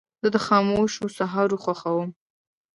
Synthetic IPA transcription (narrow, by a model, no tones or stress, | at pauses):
z̥əd̪əxɑmoʃosaɦɑɾoxwaxawəm